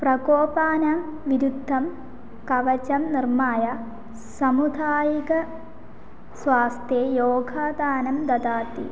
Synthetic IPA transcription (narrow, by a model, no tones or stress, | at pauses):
prɐkoːpaːnɐmʋiɾud̪ʱːɐm | kɐʋɐt͡ʃɐmnirmaːjɐ | sɐmud̪ʱaːjikɐ | sʋaːst̪ʰjeːjoːɡʱaːd̪aːnɐmd̪ɐd̪aːt̪ḭ